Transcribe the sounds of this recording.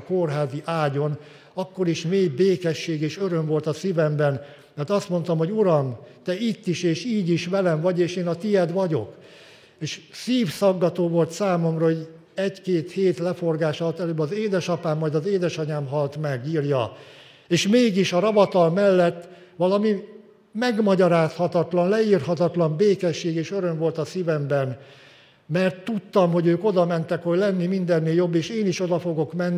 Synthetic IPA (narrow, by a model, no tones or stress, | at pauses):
korɦaːziʔaːɟo̞n | ɒkːo̞ɾiʃmeːjbeːkɛʃːeːɡeːʃøɾømvo̞lt̪ɒsivɛmbɛn | mɛrt̪ɒst̪mo̞n̪t̪omɦoɟuɾɒmt̪ɛit̪ːiʃeːʃiːɟiʃʋɛlɛmvɒɟeːʃeːnɒt̪ijɛd̪ʋɒɟo̞k | eːʃsiːfsɒɡːɒt̪oːvo̞lt̪saːmomrɒɦoɟ | ɛɟkeːt̪heːt̪lɛfo̞rɡaːʃɒlt̪ɛløːbɒzeːd̪ɛʃɒpaːmːɒjd̪ɒzeːd̪ɛʃɒɲaːmɦɒlt̪mɛɡiːrjɒ | eːʃmeːɡiʃɒɾɒvɒt̪ɒlmɛlːɛt̪ː | ʋɒlɒmi | mɛɡmɒɟɒɾaːshɒt̪ɒt̪lɒnlɛirhɒt̪ɒt̪lɒmbeːkɛʃːeːɡeːʃøɾø̞mvo̞lt̪ɒsivɛmbɛn | mɛrt̪ːut̪ːɒmɦo̞ɟøːko̞d̪ɒmɛnt̪ɛkho̞ɟlɛnːimind̪ɛnːeljo̞bːeːʃeːniʃo̞d̪ɒfo̞ɡo̞kmɛnː